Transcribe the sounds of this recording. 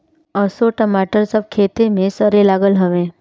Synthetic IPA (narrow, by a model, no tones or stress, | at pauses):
ɔsoʈəmaːʈəɾsəb̚kʰeːt̪emẽsəɾelaːɡəlɦəʋẽː